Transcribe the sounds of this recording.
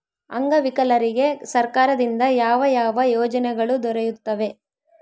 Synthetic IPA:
ɐ̰ŋɡɐʋikɐlɐɾiɡe̞sɐɾkaːɾɐd̪ind̪ɐjaːʋɐjaːʋɐjɔːd͡ʒɐnɛɡɐɭud̪ɔɾɛjut̪ːɐʋe̞

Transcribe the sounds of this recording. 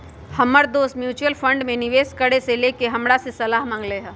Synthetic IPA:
hɐməɾd̪oːst̪mjuːt͡ʃuəlfʰə̃ɳɖmẽnɪʋeːskəɽeseleːkeɦɐmɽasesɐlaːɦmə̃ŋɡleɦɛ̃

